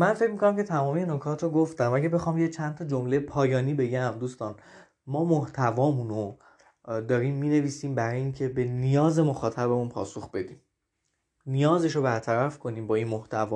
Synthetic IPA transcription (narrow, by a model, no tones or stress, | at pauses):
mænfe̞cmikonæmcʰe̞t̪ʰæmɒːmijeno̞kʰɒːt̪ʰɾoɡoft̪æmæɟæbe̞xɒːmjet͡ʃʰænt̪ʰɒd͡ʒomle̞jpʰɒːjɒːniːbe̞ɟæmd̪uːst̪ɒːn | mɒːmoht̪ʰævɒːmuno | d̪ɒːɾiːmːiːne̞viːsiːmbæɾɒːjeiːŋcʰebe̞nijɒːze̞moxɒːt̪ʰæbemunpʰɒ̰ːsoxb̥e̞d̪iːm | nijɒːze̞ʃobæɾt̪ʰæɾæfkʰo̞niːmbɒːinmoht̪ʰævɒː